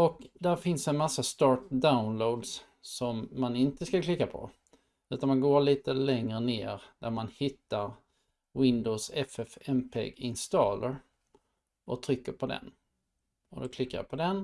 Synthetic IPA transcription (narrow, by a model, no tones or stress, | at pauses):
ɔkd̪æɾfɪnsɛnmasːast̪ɑːʈ̚d̪aʊnlod̪s | sɔmːanɪnt̪əskaklɪkːapʰɔ̰ | ʉ̟ːt̪anmanɡoːɭiːt̪əlɛŋɾənḛːɾd̪æɾmanhɪt̪ːaɾ | wɪnd̪oːsɛfɛfɛmpʰḛːɡɪnst̪ɑːləɾ | ɔt̪ʰɾʏkːəɾpʰɔd̪ɛ̰n | ɔd̪ɔkʰlɪkːaja̰pʰɔd̪ɛn